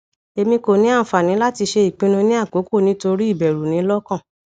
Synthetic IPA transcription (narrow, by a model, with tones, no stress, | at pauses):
e˧mĩ˧ko˨nĩ˨˦ã˦˨fa˨nĩ˨˦la˦ti˧ʃe˧i˨k͡pĩ˧˦nũ˧nĩ˦a˦˨k͡po˨˦ko˦˨nĩ˨˦to˧ɾi˦i˦˨bɛ˨ɾu˨nĩ˨˦lɔ˦kã˦˨